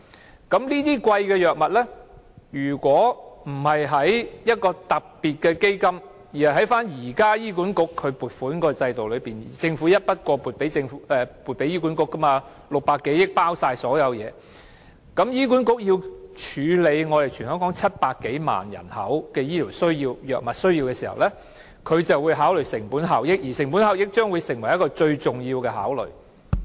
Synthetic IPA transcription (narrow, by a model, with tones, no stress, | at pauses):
kɐ˨˥mliː˥t̪iː˥kwɐ˧jkɛː˧jœː˨k̚mɐ˨t̚lɛ˥ | jyː˨˩kʷɔː˨˥m̩˨˩hɐ˨jɦɐ˨˥jjɐ˥t̚kɔː˧t̪ɐ˨k̚piː˨t̚kɛː˧ke˥jkɐ˥m | jiː˨˩hɐ˨˩ɦɐ˨˥jfaː˥njiː˨˩kaː˥jiː˥k̬u˨˥nkʊ˥kʰːɵ˨˧ɥpuː˨˩t̚fuː˨˥nkɔː˨˧˥t͡sɐ˧jt̪o˨wlɵ˨˧ɥpiː˨˩n˨t͡sɪ˧ŋfu˨˥jɐ˥t̚pɐ˥t̚kʷɔː˧puː˨t̚pe˨˥jt͡sɪ˧ŋfɛː˨˧puː˨˩t̚pe˨˥jiː˥kuː˨˥nkʊ˧˥kːɐ˥ma˧ | lʊ˨k̚paː˧kːe˨˥jɪ˥k̚paː˥wsaː˧jsɔː˨˥jɐ˨˧wjɛː˨˧ | kɐ˨˥mjiː˥k̬uː˨˥nkʊ˥k̚jiː˧wt͡ʃʰyː˨˧le˨˧jŋɔː˨˧t̪e˨˩jt͡ʃʰyː˨˩nhœː˨˥ŋkɔː˨˥ŋt͡sʰɐ˥t̚paː˧kːe˨˥jma̰ː˨njɐ̰˨˩nhɐ̰˨˥wkɛː˧jiː˥t̪ʰiː˨˩wsɵ˥ɥjiː˧wjœː˨k̚mɐ˨t̚sɵ˥ɥjiː˧wkɛː˧siː˨˩hɐ̰˨wlɛ˥ | kʰɵ˨˧ɥt͡sɐ˨wːuː˨˧jɦaː˨˥wlɵ˨˩ɥsɪ˨˩ŋpuː˨˥nɦa˨wjɪ˥k̚jiː˨˩sɪ˨˩ŋpu˨˥nha˨wjɪ˥k̚t͡ʃœː˥ŋwuː˨˧jsɪ˨˩ŋwɐ˨˩jɐ˥tkɔː˧t͡ʃɵ˧ɥt͡sʊ˨˩ŋjiː˧wkɛː˧ɦa̰ː˨˥wlɵ̰˨ɥ